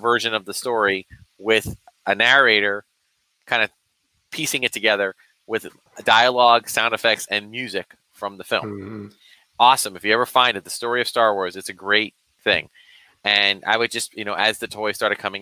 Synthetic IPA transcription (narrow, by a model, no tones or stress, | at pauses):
vɜ˞ʒɨ̃nʌvðəstɔɹiwɪð | ʔɨnæɹeɪɾə˞ | kʰãɪ̃ndɨ | pʰisɪ̃ŋɨtʰɨɡɛðə˞ | wɪð | daɪəlɔɡ̥sãʊ̃ndɨfɛk̚tsɨ̃nmjʉzɪk | fɹʌ̃mðɨfɪ̰̃lˠm | ɔsə̃mɨfjɨɛvə˞fãɪ̃ndɨt̪̚ðɨstɔɹiʌv̥stɑɹwɔɹzɨtsɨɡɹeɪt̪̚ | θɪ̰̃ŋ | ɨ̃na̰ɪwɨd̚d͡ʒʌstjɨnoʊʔɨzðɨtʰɔɪstɑɹɾɨd̚kʰʌ̃mɪ̃